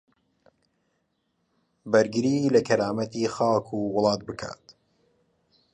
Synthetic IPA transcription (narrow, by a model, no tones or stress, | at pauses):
bɐɾɡɨɾiːlɐkʰɐɾaːmɐt̪iːxaːkʰuːwʊlˠɑːt̪̚bɨkʰa̰ːt̪